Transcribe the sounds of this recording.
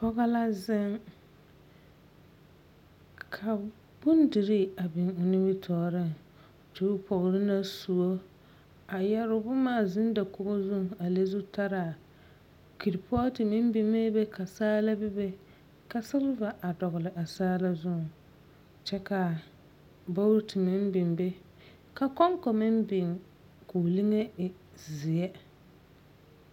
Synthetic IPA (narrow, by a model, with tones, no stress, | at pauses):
pɔ˦ɣa˦la˦zɪ˦ŋ | kʰa˨ | b̥ʊ˦n˦dɪ˨ɾɪ˦a˨bɪ˨ŋʊ˨nɪ˦bɪ˦tʰɔː˨ɾɪ˦˨ŋ˨ | tʊ˦ʊ˦pʰɔ˨ɣɾɪ˦na˦su˨o˦ | a˨jɛ˦ɾʊ˦bʊ˦maː˦˨zɪ˦n˦da˨ko˨ɣo˦zʊ˦ŋ˨a˨le˦zu˦tʰa˦ɾa˨ | ki˨ɾpɔ˦tɪ˨mɪ˦m˦bɪ˦me˦be˦kʰa˨saː˦la˦bɪ˦be˦ | ka˦sɪ˦lva˨ʔa˨dɔ˨ɣʊ˨lɪ˨ʔa˨saː˦la˦zʊ˦ŋ˨ | t͡ʃɛ˦ka˨ | ba˦wɾtʰɪ˨mɪ˦m˦bɪ˨mbe˦ | ka˦kɔ˦ŋkɔ˨mɪ˦mbɪ˨ŋ | ku˨li˦ŋe˦˨ | zɪ˨ɛ˦